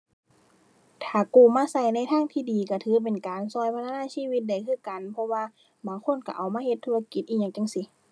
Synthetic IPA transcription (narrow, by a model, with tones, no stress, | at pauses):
t̪ʰaː˨˩kuː˧˩maː˧˥˨sa˧˩jna˧˥˨jt̪ʰaː˧˥˨ŋt̪ʰiː˧˨diː˨˦ka˧˩t̪ʰɯː˨˧˦p̬e˨nkaː˨nsɔː˧˩˨jpʰa˧t̪ʰaː˧˥˧naː˧˥˨siː˧˥˨wi˧t̪̚da˧˩jkʰɯː˧˥˨ka˨npʰɔ˧waː˧˨ | baː˨˦ŋkʰo˧˥˨nka˧˩ʔa˨˩wmaː˧˥˨he˧t̪ʰːuː˧˩a˧ki˧˦t̪ʔiː˧ɲa˧ŋt͡ɕa˧˨ŋsi˧˦